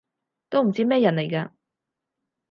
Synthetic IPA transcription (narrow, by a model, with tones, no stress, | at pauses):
t̪o˥wm̩˨˩t͡siː˥mɛː˥jɐ˨˩nle˨˩jkaː˧